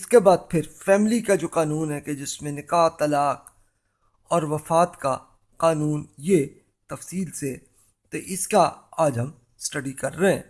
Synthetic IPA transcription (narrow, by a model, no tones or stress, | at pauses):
ɪskebaːd̪̚pʰɪɾfɛːmɪlikad͡ʒoːqaːnuːnɦɛked͡ʒɪsmẽnɪkaːt̪ːɐlaːq̚ | ɔːɾʋɐfaːt̪ka | qaːnuːnje | t̪ɐfsiːlse | t̪oʔɪskaaːd͡ʒɦɐm | sʈɐɖikɐɾːɐɦɛ̰̃ː